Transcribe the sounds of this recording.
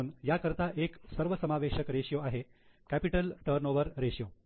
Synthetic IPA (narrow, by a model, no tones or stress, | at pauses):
uːnjakəɾt̪aʔeksəɾʋəsəmaʋeɕəkɾeɕjoaɦe | kæpiʈəlʈəɾnoʋəɾɾeɕijo